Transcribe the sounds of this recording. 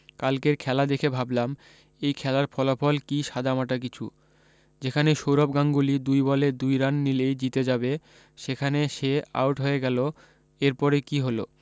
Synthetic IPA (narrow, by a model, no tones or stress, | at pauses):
kalkeɾkʰɛlad̪ekʰebʱablam | ejkʰɛlaɾfɔlafɔlkiʃad̪ʱamaʈak̬it͡ɕʰṵ | d͡ʑekʰaneʃowɾob̚ɡaŋɡulid̪ujbɔled̪ujɾanːilejd͡ʑit̪ed͡ʑabe | ʃekʰaneʃea̰wʈɦoeɡɛlo | eɾpɔɾekiɦolo̰